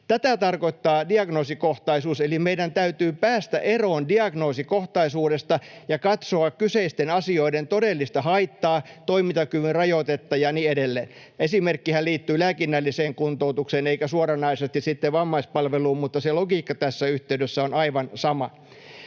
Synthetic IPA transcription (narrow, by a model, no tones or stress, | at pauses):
t̪æt̪æt̪ɑrkoit̪ːɑːdiɑɡnoːsikoht̪ɑisuːselimeidænt̪æyt̪yːpæːst̪æ̰ʔeroːndiɑɡnoːsikoht̪ɑisuːdest̪ɑjɑkɑt̪soɑkkyseist̪enɑsioident̪odelːist̪ɑhɑit̪ːɑːt̪oimit̪ɑkyʋynrɑjot̪et̪ːɑjɑniːedelːḛːn | esimerkːihælliːt̪ːyːlæːkinːælːiseːŋkunt̪out̪ukseːneikæsuorɑnɑisest̪issit̪ːeʋɑmːɑispɑlʋeluːmmut̪ːɑseloɡiːkːɑt̪æsːæyht̪eydøsːæonɑiʋɑnsɑmɑ